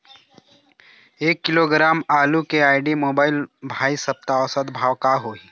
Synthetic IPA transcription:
eːkːɪloːɡɾaːmaːlukeaːɪɖimoːbaːɪlbʱaːisɐp̚t̪aɔsəd̪bʱaːwkaɦoːi

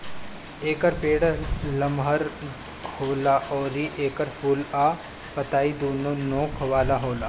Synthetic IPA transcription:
eːkəɾpeːɽlɐmɦɐɾ | hoːlaːʔɔːɾiʔeːkəɾfuːlaː | pɐt̪aːid̪oːnoːnoːkʰɐʋaːlaɦoːlaː

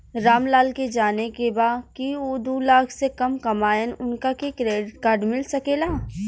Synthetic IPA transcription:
ɾaːmlaːlked͡ʒaːnekebaːkioːd̪uːlaːkʰsekɐmkɐmaːənʊnkakekɾeːɖɪʈkaːɾɖmɪlsɐkeːlaː

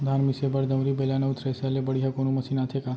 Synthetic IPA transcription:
d̪ʱanmisebəɾd̪əʋɾibelaneut̪ʰɾesalebəɽijɦakonũməsinat̪ʰeka

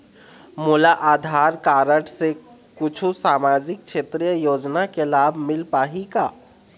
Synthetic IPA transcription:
mulaʔad̪ʱaɾkaɾəʈse | kut͡ʃʰusamad͡ʒik̚t͡ʃʰet̪ɾijəjod͡ʒnakelabʱmilpaɦika

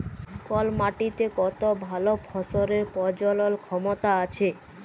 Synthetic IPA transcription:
kɔlmaʈit̪ekɔt̪obʱalopʰɔsoɾeɾpɔɾd͡ʑɔlolkʰɔmot̪aat͡ɕʰe

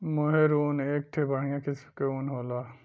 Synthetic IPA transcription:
moɦeɾoːneːk̚ʈ̪ʰebəɽ̤ijãkɪskeuːnɦoːlaː

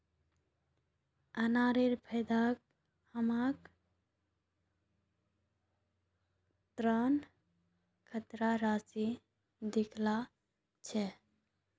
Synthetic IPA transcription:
ənaɾeɾpʰəɪd̪ak̚ | həmak | t̪ɾən | kʰət̪ɾaɾasi | d̪ikʰla | t͡ʃʰɛ

